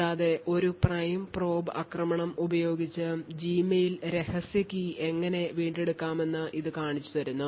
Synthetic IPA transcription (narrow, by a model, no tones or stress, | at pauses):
aːðe̞ʔo̞ɾuprɐjmpro̞ːbɐkrɐmɐɳɐmubɐjo̞ːɡit͡ɕːɨd͡ʑiːmɐjilɾe̞hɐsjɐkʲːie̞ŋːɐne̞ʋiːɳɖe̞ɽukːaːme̞nːɨʔiðɨkaːɳit͡ɕːut̪ɐɾunːu